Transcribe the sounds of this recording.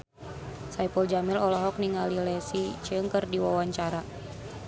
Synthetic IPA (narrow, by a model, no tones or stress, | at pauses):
saipɔld͡ʒamilɔlɔɦɔk̚niŋalilɛsit͡ʃəŋkərdiwawaɲt͡ʃaɾa